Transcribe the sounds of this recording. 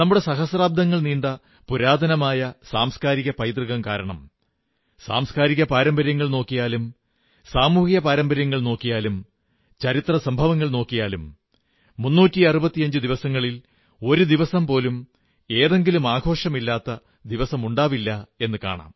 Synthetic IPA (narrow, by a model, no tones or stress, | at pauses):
nɐmːuɽe̞sɐɦɐsraːb̚d̪ɐŋːɐɭniːɳɖɐ | puɾaːd̪ʱɐnɐmaːjɐsaːmskaːɾiɣɐpɐjt̪riɣɐmkaːɾɐɳɐm | sa̰ːmskaːɾiɣɐpaːɾɐmbɐɾjɐŋːɐɭno̞ːkːijaːlum | saːmuːhijɐpaːɾɐmbɐɾjɐŋːɐɭno̞ːkːijaːlum | t͡ɕɐɾit̪rɐsɐmbʱɐʋɐŋːɐɭno̞ːkːijaːlumː | unːuːtːiɐrubɐt̪ːijɐɲd͡ʑɨd̪iʋɐsɐŋːɐɭil | o̞ɾud̪iʋɐsɐmpo̞ːlum | e̞ːðe̞ŋɡilumaːɡʱo̞ːʂɐmilːaːt̪ːɐ | d̪iʋɐsɐmuɳɖaːʋilːɐe̞nːɨka̰ːɳa̰ːm